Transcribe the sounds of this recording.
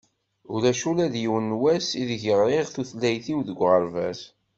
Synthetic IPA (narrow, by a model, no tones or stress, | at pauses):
ʊɾæʃulæðjiwənːwæsiðʝəʁɾeʁθuθlːæjθiwðəɡʷːʁəɾvæs